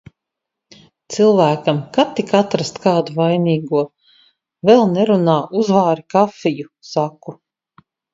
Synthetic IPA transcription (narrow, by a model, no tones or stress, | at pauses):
t̪silˠvæːkamkat̪ikat̪ɾast̪kaːd̪uvajniːɡuɔ | vɛlˠnɛɾunaːʔuzvaːɾikafijusaku